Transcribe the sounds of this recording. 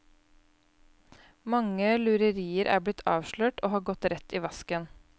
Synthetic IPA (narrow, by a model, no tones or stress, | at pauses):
mɑŋəlʉɾəɾiːəɾʔæ̰ːblɪt̪ʰːɑːʋʃɭøːʈʔo̰ːhɑːɡɔt̪ɾɛt̪ʰːiːʋɑskən